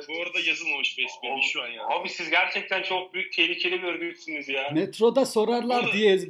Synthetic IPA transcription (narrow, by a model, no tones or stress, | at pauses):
boɾad̪ajazɯlˠmamɯʃbɛsbimiʃuanjahabisizɟæɾt͡ʃʰɛc̚t̪ʰænt͡ʃʰo̞k̚byjyc̚ʲt̪ʰeɾʲicʰelʲimøɾd̪yysynyzjaːmet̪ɾo̞d̪aso̞ɾaɾlˠaɾd̪ijez